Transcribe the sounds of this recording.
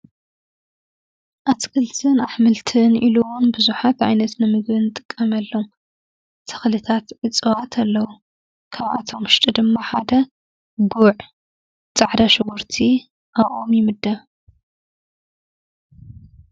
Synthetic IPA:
ʔat̪kʰɨlt̪ʰɨnaħmɨlt̪ʰɨnʔiluwʊnbɨzuħat̪ʕa̰jnɐt̪nɨmɨɡβɨnɨt̪ʼɨ̥kʼːɐmɐlːom | t̪ʰɨ̥xlɨt̪ʰat̪ʕɨt͡sʼɨwat̪ʰɐlːɐwu | kʰaβʔa̰t̪ʰo̞mʃt̪ʼid̪ɨmːaħad̪ɐ | ɡuʕ | t͡sʼaʕd̪ɐʃɨɡuɾt̪ʰi | ʔawʔʼomjɪmɨd̪ɐ

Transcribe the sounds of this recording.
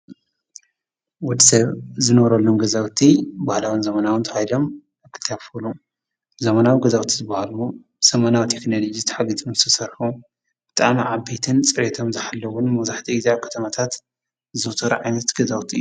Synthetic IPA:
wod̪sɐβzɨnɐβɾɐlːomɡɐzawt̪ʰibahlawɨnzɐmɐnawɨnt̪ʰɐhajlo̞m | akʰɨlt̪ʰaβfulu | zɐmɐnawiɡɐzawt̪ʰizɨbːahalu | sɐmɐnawit̪ʰe̞knolod͡ʒizt̪ʰɐ̥ħaɡit̪ʰʼomzɨt̪ʰɐsɐɾħu | b̥ɨt̪ʼa̰ʕmiʕabːet̪ʰɨnt͡sʼɨɾet̪ʰo̞mzɨħalːɐwʊnmɐwzaħt̪ʰiizakʰɐ̥t̪ʰɐmat̪ʰat̪ | zɨwt̪ʰɐɾṵʕajnɐt̪ɡ̥ɐzawt̪ʰiɨjuu

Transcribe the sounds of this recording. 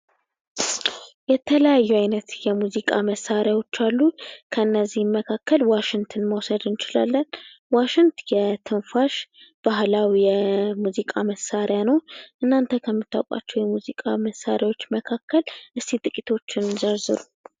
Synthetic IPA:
jɛt̪ʰələjajːuajnət̪jɛmuzikʼaməsaɾjawo̞t͡ʃːalːukʰəɨnːəzːihməkʰakʰːəlwaʃɪŋt̪ʰɨnməwsəd̪ɨnt͡ʃɪla̰lːənwaʃɪŋt̪jɛt̪ʰɨnfaʃb̥aɦlawijɛmuzikʼaməsaɾjanəwʔɨnːant̪ʰəkʰəmːɨt̪ʰːa̰wkʼa̰t͡ʃːɛwjɛmuzikʼaməsːaɾjawo̞t͡ʃːməkʰakʰːəlʔɨst̪it̪ʼɨkʼit̪ʰo̞t͡ʃːɪnzəɾzɨɾu

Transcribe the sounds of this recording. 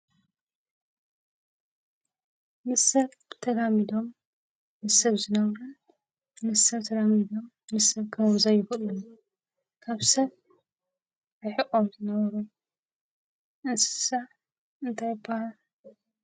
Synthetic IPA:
mɨsɐβ | t̪ʰɐd̪amid̪o̞mː | ɨsɐβzɨnɐβɐɾun | mɨsɐβt̪ʰɐd̪amid̪o̞mːɨsɐβkʰazajɪxlun | kʰaβsɐβ | ɨħɨʔʼomzɨnɐβɐɾu | ʔɨnsɨ̥sa | ɨnt̪ʰɐba

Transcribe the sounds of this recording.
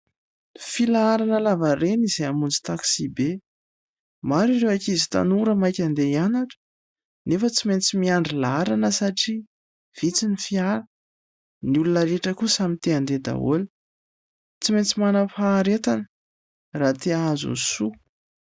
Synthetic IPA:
filaaɾanəlavarenizeamund͡zi̥t̪aksibe | maɾirewakizi̥t̪a̰nuɾəmajkʲand̪eianaʈ͡ʂə̥ | nefət͡siment͡simiaɳɖ͡ʐilaɾanəsaʈ͡ʂi | v̥it͡sinifiaɾa | niulunəɾeʈ͡ʂəkusamint̪eand̪ed̪a̰o̰li̥ | t͡siment͡simanəfaːɾet̪anə̥ | rat̪eazṵnsu

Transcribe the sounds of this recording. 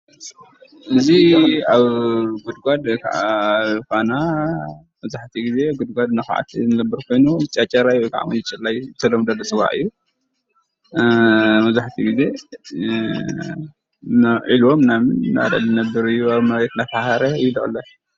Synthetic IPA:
ʔɨziaβɡud̪ɡʷad̪kʰaʔakana | mɐzaħt̪ʰiɡize̞ɡud̪̚ɡʷad̪̚nɐxʕa̰t̪ʰnɨlɐbːɨɾkʰo̞jnut͡ʃʼɐt͡ʃʼːɐɾajwɔjkʰa̰ʕa̰wnɨt͡ʃʼɨlːajɨt̪ʰɐlːomd̪ɐlːot͡sʼɨwa̰ʔʼɨ̰jːu | mɐzaħt̪ʰiɡize̞ | naʕilwomnamɨnna̰d̪a̰lɨnɐbɨɾɨjːuaβmɐβɾet̪nat̪ahaɾɐɨjulɨʔʼɨlːo

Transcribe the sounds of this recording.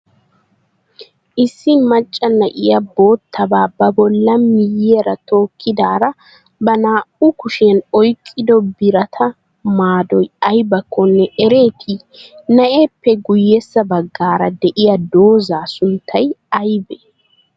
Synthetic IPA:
ʔɪsːɪnmɐt͡ʃʼːɐnːɐʔɪjɐbo̞ːt̪ʰːɐbaːbɐbɔlːɐmːɪjeːɾɐt̪o̞ːkʰːɪd̪aːɾɐ | bɐnaːʔʊkʊʃɪɐnɔjkʼːɪd̪ɔbɪɾɐt̪ʰɐ | maːd̪ɔjɐjbɐkʰːɔnːɛʔɛɾe̞ːt̪ʰɪ | nɐʔeːpːɛɡʊjːɛsːɐbɐɡːaːɾɐd̪ɛʔɪjɐd̪o̞ːzaːsʊnt̪ʰːɐjɐjbɛ

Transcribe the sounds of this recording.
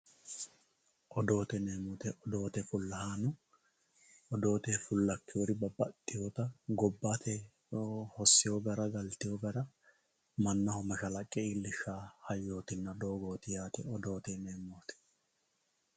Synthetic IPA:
ʔɔd̪o̞ːt̪ɛneːmʊt̪ɛʔɔd̪o̞ːt̪ɛfʊlːɐhaːnʊ | ɔd̪o̞ːt̪ɛfʊlːɐkːɪjoɾɪbɐbːɐt̪ʼːɪjoːt̪ɐɡɔbːat̪ɛ | hɔsːɪjoɡɐɾɐɡɐlt̪ɪjoɡɐɾɐ | mɐnːɐhɔmɐʃɐlɐkʼːɛiːlːɪʃːaːhɐjːo̞ːt̪ɪnːɐd̪o̞ːɡo̞ːt̪ɪjaːt̪ɛɔd̪o̞ːt̪ɛneːmːoːt̪ɛ̥

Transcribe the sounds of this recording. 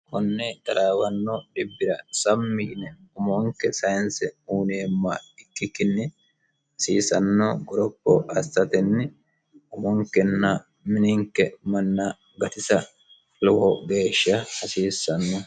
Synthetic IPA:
kɔnːɛd̪ɐɾaːwɐnːɔɗɪbːɪɾɐsɐmːiːnɛʊmɔŋkːɛsɐjnsɛuːneːmːɐɪkːɪkːɪnːɪ | hɐsiːsɐnːɔɡɔɾɔkːɔɐst̪ːɐt̪ɛnːɪ | ʊmɔŋkːɛnːɐ | mɪnɪŋkːɛmɐnːɐ | ɡɐt̪ɪsɐ | lɔwɔɡe̞ːʃːɐhɐsiːsːɐnːɔ

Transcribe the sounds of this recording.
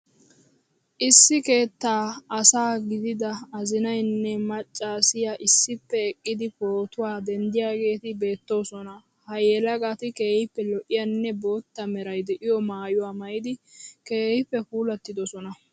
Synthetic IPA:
ʔɪsːɪke̞ːt̪ːaːɐsaːɡɪd̪ɪd̪ɐɐzɪnɐjnːɛmɐt͡ʃʼːaːsɪjaʔɪsːɪpːɛɛkʼːɪd̪ɪpoːt̪ʊwaːd̪ɛnd̪ɪjaːɡe̞ːt̪ɪbe̞ːt̪ːo̞ːsɔnɐ | hɐjɛlɐɡat̪ɪke̞ːhɪpːɛlɔʔɪjɐnːɛbo̞ːt̪ːɐmɛɾɐjd̪ɛʔɪjɔmaːjʊwaːmɐjɪd̪ɪke̞ːhɪpːɛpuːlɐt̪ːɪd̪ɔsɔnɐ

